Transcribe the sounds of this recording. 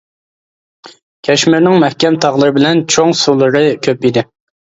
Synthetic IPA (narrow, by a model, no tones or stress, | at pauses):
kʲʰɛʃmɪɾnɪŋmɛhkʲɛmt̪ʰɑʁlˠɨɾɨbɪlɛnt͡ʃʰoŋsulˠɨɾɨkʲʰøpid̪ɪ